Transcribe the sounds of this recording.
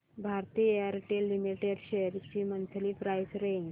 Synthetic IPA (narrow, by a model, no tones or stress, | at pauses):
bʱaɾt̪iːjəɾʈelːimiʈeɖɕejəɾt͡ɕiːmənt̪ʰliːpɾajsɾeɲɡ